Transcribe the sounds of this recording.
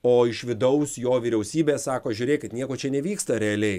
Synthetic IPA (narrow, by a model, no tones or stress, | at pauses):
oːɪʃʋʲɪd̪ɐʊsjoːʋʲiːɾʲɛʊsʲiːbʲeːssɑːkoːʒʲʊːɾʲeːkʲɪt̪nʲiɛkoːt͡ʃʲɛnʲɛʋʲiːkst̪ɐɾʲɛɐlʲɛɪ